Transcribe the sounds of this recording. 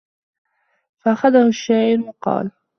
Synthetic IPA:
faʔaxaðahʊʃːaːʔɪɾwɑqɑ̰ːl

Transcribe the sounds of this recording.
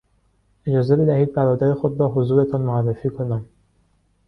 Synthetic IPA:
e̞d͡ʒɒːze̞be̞d̪æhiːd̪̚bæɾɒːd̪æɾe̞xod̪ɾɒːɦozuːɾe̞t̪ʰɒnmoærːefiːkʰo̞næm

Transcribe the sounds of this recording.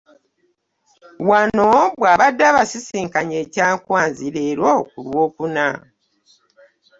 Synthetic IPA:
wano̞βwaːβadːaβasisiːŋkaɲe̞ːcaːŋkwaːnziɾeːɾokulwo̞ːkuna̰

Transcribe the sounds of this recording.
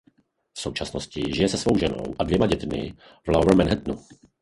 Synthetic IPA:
fso̞wt͡ʃasnoscɪʒɪjɛsɛsvo̞wʒɛno̞̰wʔadvjɛmaɟɛt̪mɪ̰ | vlawɛmɛnɦɛt̪̚nu

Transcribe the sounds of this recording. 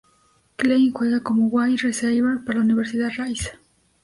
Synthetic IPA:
klejnxweɣakomowajresejβeɾpaɾalauniβeɾsiðarajsḁ

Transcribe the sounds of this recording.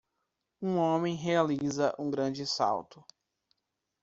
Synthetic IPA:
ũõmẽj̃ɦealizɐʔũɡɾɐ̃d͡ʒɪsa̰wt̪ʊ

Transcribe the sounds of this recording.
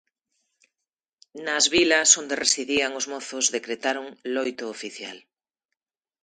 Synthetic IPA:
nazβilasond̪eresiðiaŋozmoθozðekɾet̪aɾoŋlojt̪oːfiθja̰l

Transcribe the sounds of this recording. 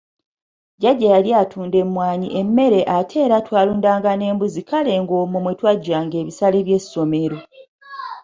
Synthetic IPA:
ɟaɟːajaliatʰuːnde̞mːwaːɲiʔe̞mːe̞ɾe̞ʔatʰe̞ːɾatwaːluːndaːŋɡane̞ːmbuzikale̞ːŋɡo̞ːmumwetwaɟːaːŋɡe̞ːβisaleβje̞sːo̞me̞ɾo̞

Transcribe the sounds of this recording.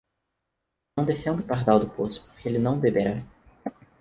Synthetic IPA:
ɐ̃w̃d̪efẽw̃d̪ɪpaɾd̪awd̪ʊposʊ̥po̥χkeelɪnɐ̃w̃bebeɾa

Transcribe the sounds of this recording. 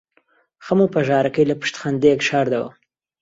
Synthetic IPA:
xəmupaʒɑːɾakəjlapɪ̥ʃt̪xand̪ekʃɑːɾd̪awa̰

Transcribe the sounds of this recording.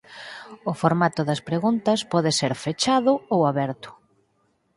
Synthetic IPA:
ʊfoɾmat̪ʊðɐspɾeɣunt̪ɐspɔðɪseɾfet͡ʃaðʊowaβɛɾt̪ʊ̥

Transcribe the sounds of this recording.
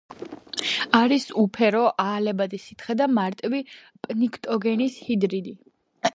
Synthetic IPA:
aɾisupʰɛɾɔʔaːlɛbad̪isit̪ʰχɛd̪amaɾt̪ʼvi | pʼnikʰt̪ʼɔɡɛnishid̪ɾid̪i

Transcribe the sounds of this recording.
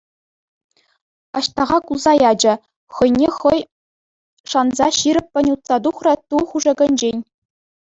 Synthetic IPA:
ɑ̰ɕt̪ɑʁɑkulˠzɑjɑd͡ʑɘ̆ | χɤ̆jnʲeχɤ̆j | ʂɑnzɑɕiɾʲɘ̆pʲpʲɘ̆nʲut̪sɑd̪uχrɤ̆t̪uχuʐɤ̆ɡʲɤ̆nʲd͡ʑenʲ

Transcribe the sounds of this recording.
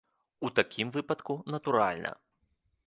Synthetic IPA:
ut̪akʲimvɨpɐt̪kunɐt̪uɾa̰lʲnʔɐ̰

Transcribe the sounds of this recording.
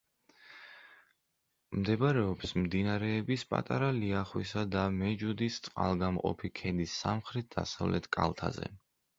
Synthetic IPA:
md̪ɛbɾɛɔpsmd̪inaɾɛːbispʼa̰t̪ʼaɾaliaχwisad̪amɛd͡ʒud̪ist̪sʼqʼa̰lˠɡamqʼɔ̰pʰikʰɛd̪isːamχɾit̪̚d̪a̰savlɛt̪ʰkʼa̰lˠt̪ʰa̰zɛ̰

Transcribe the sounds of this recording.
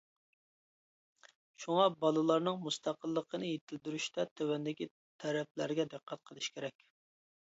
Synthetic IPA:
ʃuŋɑbɑlˠɨlˠɑɾnɨŋmust̪ʰɑqəlˠːəqənɨjet̪ʰɪld̪yɾyʃt̪ʰɛt̪ʰøwɛnd̪ɪkʲi | t̪ʰɛɾɛp̚læɾɡʲɛd̪ɨqʰːæt̪̚qʰəlˠɨʃkʲʰeɾɛkʲ

